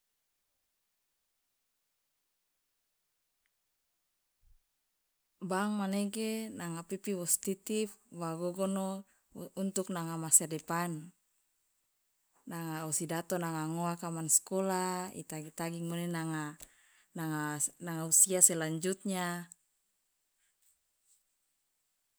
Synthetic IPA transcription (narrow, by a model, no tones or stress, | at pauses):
baŋmaneɡenaŋapipiwɔst̪it̪ip̚waɡoɡɔno | unt̪uk̚naŋamasadepan | aŋausidat̪onaŋaŋoakamanskolaḭt̪aɡit̪aɡiŋonenaŋa | naŋanaŋausiaselaɲd͡ʒut̪̚ɲa